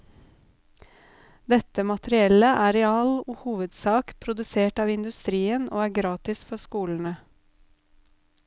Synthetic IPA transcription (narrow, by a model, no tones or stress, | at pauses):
d̪ɛt̪əmɑt̪ɾɪɛləʔæːɾɛɑːloːhuːʋəd̪sɑːkpʰɾʊd̪ʉseːʈɑːʋɪnd̪ʉst̪ɾiːənʔo̰ːæːɡɾɑːt̪ɪsfɔskuːln̩ə